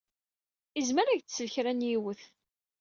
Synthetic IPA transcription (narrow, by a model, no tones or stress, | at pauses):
izməɾæʝt͡ssːəlçɾænjiwəθ